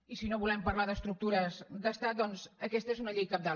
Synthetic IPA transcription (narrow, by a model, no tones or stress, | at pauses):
isinoβulɛmpəɾlaðəst̪ɾuk̚t̪uɾəzɡəst̪at̪̚d̪ɔnzəkɛst̪əezunəʎejkap̚d̪a